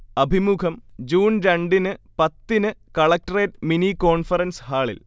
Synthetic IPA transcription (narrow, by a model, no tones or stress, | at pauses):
ɐbʱimukʰɐmd͡ʑuːnɾɐɳɖinɨpɐt̪ːinɨkɐɭɐk̚ʈɐreːʈminikoːɳfɐrɐnshaːɭḭl